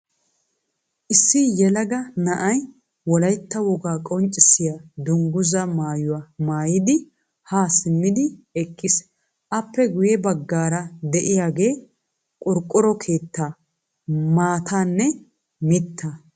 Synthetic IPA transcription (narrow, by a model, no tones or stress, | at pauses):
ʔɪsːɪjɛlɐɡɐnɐʔɐj | wɔlɐjt̪ːɐwɔɡaːkʼɔnt͡ʃʼɪsːɪjad̪ʊŋɡʊzɐmaːjʊwaːmaːjɪd̪ɪ | haːsɪmːɪd̪ɪɛkʼːɪs | ʔɐpːɛɡʊjɛbɐɡːaːɾɐd̪ɛʔɪjaːɡe̞ː | kʼʊɾkʼːʊɾɔkʰe̞ːt̪ːa | maːt̪ʰaːnːɛ | mɪt̪ʰːɐ